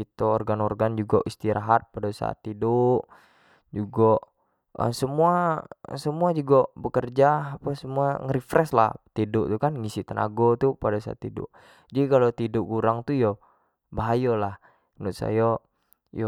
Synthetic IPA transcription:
it̪oːrɡanorɡand͡ʒuɡa̰ʔist̪iɾaɦat̪̚padasa̰a̰t̪ːidoʔ | d͡ʒuɡɔʔ | ə̰səmuasəmuad͡ʒuɡabəkərd͡ʒaːpasəmuaŋəɾifɾɛsla̰ht̪idʊʔt̪ukanŋisit̪əna̰ɡot̪upadasa̰a̰t̪ːidʊ̰ʔ | d͡ʒadikalot̪idʊʔkuɾaŋt̪ujo | baɦajolah | nʊʔsa̰ja | jo

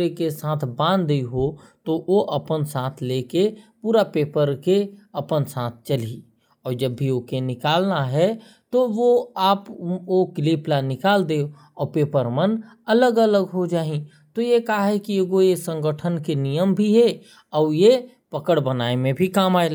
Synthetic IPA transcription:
ɾekesãːt̪ʰbãːnd̪d̪eiɦo | t̪oʔoʔəpənsãːt̪ʰleːkepuːɾapeːpəɾkeɐpənsãːt̪̚ʰt͡ʃəli | ɔːɾd͡ʒəbːʱiokenɪkaːlnaɦɛ | t̪oʋoaːpokɪliːplanɪkaːld̪eo | ɔːɾpeːpəɾmən | ɐləɡələɡɦod͡ʒaːɦĩ | t̪ojekaɦɛkieɡojesə̃ŋɡəʈʰənkenijəmbʱiɦɛ | ɔːɾje | pəkəɽbənaːemẽbʱikaːmaːelː

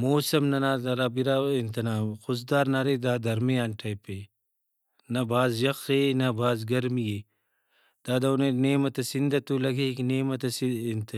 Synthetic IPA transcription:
moːsɐmnɐnaːd̪ɐɾabiɾaint̪ɐnaːmxʊs̬d̪aːɾnaɾed̪aːd̪ɐɾmeaːnʈʰɐjpe | nɐbʱaːzjɐqenɐbʱaːzɡɐɾmije | d̪̥aːd̪ɐuneneːmɐt̪ɐsind̪ɐt̪ulɐɡekneːmɐt̪ɐsint̪ɐ

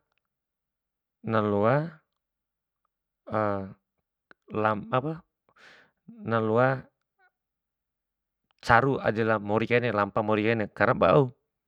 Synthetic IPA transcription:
nalua | ə | laapa | nalua | t͡ʃaɾua̰dɛlamɔɾikainɛlampamɔɾikainɛkaɾaŋba̰u

